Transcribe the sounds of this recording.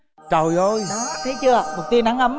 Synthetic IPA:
t͡ɕə˨˩jʔo˧jt̪ʰə˨˦jt͡ɕɨ˧əmo˨˩t̪i˧nɗa˨˦ŋʔə˧˦m

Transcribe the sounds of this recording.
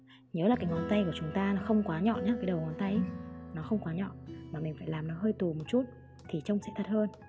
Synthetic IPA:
ɲəː˨˦laː˨˩kaː˨˦jŋɔ˨˦nt̪a˧jku˧˩ət͡ɕʊ˨˦ŋ͡mt̪aː˧nɔ˨˦xə˧wŋ͡mkwaː˨˦ɲɔ̰˧˨nɲaː˨˦kaː˨˦jɗə˨˩ŋɔ˨˦nt̪a˧jnɔ˨˦xə˧wŋ͡mkwaː˨˦ɲɔ̰˧˨nmaː˨˩mï˨˩ŋ̟faː˧˩jlaː˨˩mnɔ˨˦ɦəː˧jt̪u˨˩mo˨˩t̚t͡ɕu˦˥t̚ | t̪ʰi˨˩t͡ɕə˧wŋ͡msɛ̰˧˥t̪ʰə˦˥t̚həː˧n

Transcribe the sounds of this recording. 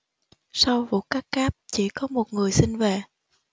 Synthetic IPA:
sa˧wvṵ˧˨˩kaː˦˥kkaː˦˥p̚t͡ɕḭ˧˩kɔ˨˦mo˨˩t̚ŋɨ˨˩əjsi˧nve˨˩

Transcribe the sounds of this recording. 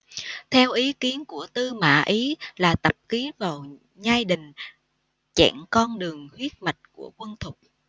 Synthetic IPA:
t̪ʰɛ˧wʔi˨˦ki˨˦ənku˧˩ət̪ɨ˧ma̰ː˧˥ʔi˨˦laː˨˩t̪ə˨˩p̚ki˨˦ənvaː˨˩w | ɲaː˧jɗï˨˩ŋ̟ | t͡ɕɛ̰˧˩ŋkɔ˧nɗɨ˨˩əŋhwi˦˥ət̚ma˨˩jk̟̚ku˧˩əkwə˧nt̪ʰʊ˨˩k͡p̚

